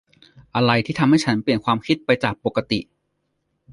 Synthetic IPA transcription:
ʔa˧ɾa˧jt̪ʰiː˥˩t̪ʰa˧mha˥˩jt͡ɕʰa˦˥npli˨˩ənkʰwaː˧mkʰi˦˥t̪̚pa˧jt͡ɕaː˨˩k̚po˨˩kːa˧t̪ḭ˨˩ʔ

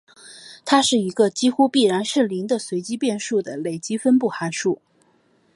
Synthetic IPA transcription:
t̪ʰa˥ʂɻ̩˥˩i˧˥ɡə˧t͡ɕi˥xu˥pi˥˩ɻa˧˥nʂɻ̩˥˩li˧˥ŋd̪ə˧swe˧˥ɪt͡ɕi˥pjɛ˥˧nʂu˥˩d̪ə˩le˨˩ɪt͡ɕi˥fə˥npu˥˩xa˧˥nʂu˥˩

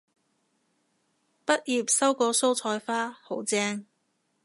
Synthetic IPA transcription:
pɐ˥t̚jiː˨˧p̚sɐ˥wkɔː˧so˥wt͡sʰɔː˧jfaː˥ho˨˥wt͡sɛː˧˥ŋ

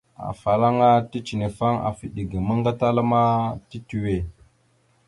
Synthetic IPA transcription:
a̰˨fa˨la˦ŋa˦ti˦t͡ʃi˨ne˨fa˦ŋa̰˨fi˨ɗi˨ɡi˨mə˦ŋɡa˦ta˦la˦ma˦ti˦ti˨we˨

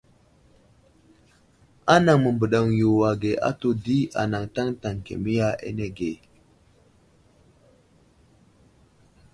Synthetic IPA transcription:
a˦na˨ŋmə˨mbə˨ɗa˨ŋju˨wa˨ɡe˨ʔa̰˦to˦di˦a̰˨na˨ŋta˦ŋta˨ŋkḛ˨mi˦ja˦ḛ˦ne˦ɡe˨

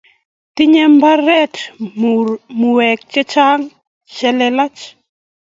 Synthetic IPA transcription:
ti˦ɲɛ˦mba˦ɾɛ˦t | mu˨wɛ˨k̚t͡ʃɛ˦t͡ʃa˦ŋ | t͡ʃɛ˦lɛ˦la˦t͡ʃ

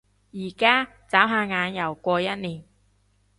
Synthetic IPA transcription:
jiː˨˩kaː˥ | t͡saː˨˥wɦaː˧ŋaː˨˧njɐ˨˩wkʷɔː˧jɐ˥t̚niː˨˩n

